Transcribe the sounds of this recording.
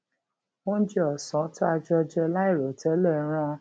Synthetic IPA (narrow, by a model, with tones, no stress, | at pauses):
wõ˦d͡ʒɛ˧˦ɔ˨sɔ̃˨˦tɔ˦a˧d͡ʒɔ˧d͡ʒɔ˧la˦i˦˨ɾo˨tɛ˨˦lɛ˦˨ɾ̃ã˦a˧